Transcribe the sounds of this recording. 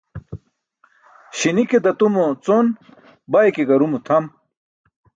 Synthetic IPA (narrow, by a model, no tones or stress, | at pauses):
ɕiniked̪ɐt̪umot͡son | bajkeɡɐɾumut̪ʰɐm